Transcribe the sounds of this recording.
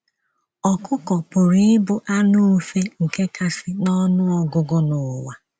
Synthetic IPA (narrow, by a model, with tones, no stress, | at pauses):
ɔ˨kʰʊ˦kɔ˨pʊ˨ɾi˦ɪ˦bʊ˦ʔa˦nʊ˦fe˦ŋ̩˨ke˦kʰa˦sɪ˦nɔ˦nʊ˦ɔ˦ɡʊ˦ɡʊ˦nʊ˨wa˨